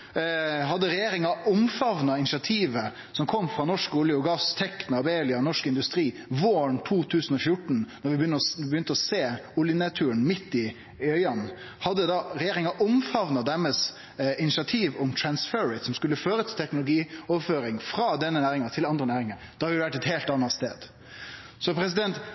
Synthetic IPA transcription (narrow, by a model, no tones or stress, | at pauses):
ɦɑd̪ːəɾɛjeːɾɪŋɑʊmfɑʋnɑɪnɪʂɑt̪ʰiːʋə | sɔmkʰɔmːfɾɑːnɔʂkʊːljəʊɡɑst̪ʰɛkːnɑɾbeɪlɪɑnɔʂkɪnd̪ʉst̪ɾiː | ʋoːəɳt̪ʰuːt̪ʰʉːsən̩ɔfjʊʈɳ̩nɔɾʋɪbjʏnəɔbjʏnt̪əɔseːʊljənɛt̪ʰʉːəɳmɪt̪ːɪ | œʏɑn | hɑd̪ːəd̪ɑɾɛjeːɾɪŋɑʔɔmfɑʋnɑd̪æɾməs | ɪnɪsɑt̪ʰiːʋʊmt̪ʰɾɑnsføɾɪt̪sɔmskʉlːəføːɾət̪ʰɪlt̪ʰɛknʊlʊɡiːɔʋføːɾɪŋfɾɑd̪ɛnːənæːɾɪŋɑt̪ʰɪlɑnd̪ɾənæːɾɪŋɑd̪̥ɑhɑɾɪʊd̪ɛʋæʈːɛt̪heːlt̪ɑnːɑt̪st̪ḛːd̪ | sɔpʰɾɛs̬ɪd̪ɛnt̪